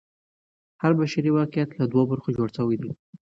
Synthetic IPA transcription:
haɾbaʃaɾiwɑqjat̪lad̪wobəɾxod͡ʒoɽsawajd̪i

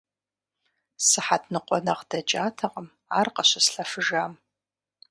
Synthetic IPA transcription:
sɨħatʰnɨqʷɔnɐqd̥ɐd͡ʒaːtʰɐqʼəm | a̰ːrqɐɕɐsɬɐfɨʒaːm

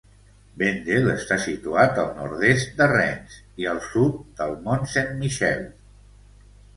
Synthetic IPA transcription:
bend̪eləst̪asit̪uat̪əlˠnɔ̰ɾðest̪̚d̪ərɛnz | iəlˠsut̪̚d̪əlˠmonsenmiʃɛlˠ

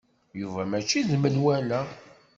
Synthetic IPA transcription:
juvæmæt͡ʃːiðmənwælæ

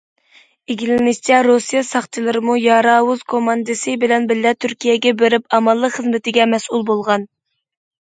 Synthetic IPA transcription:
eɡʲilɪnɪʃt͡ʃʰɛɾosijɛsɑχt͡ʃʰɨlˠɨɾɨmujɑɾɑːwuzkʰomɑnd̪ɨsɨbɪlɛnbɪlːɛt̪ʰyɾkʲijɛɡʲɛbeɾypɑmɑlˠːəqχəzmɪt̪ɪɡʲɛmɛsʔulˠbolˠʁɑn

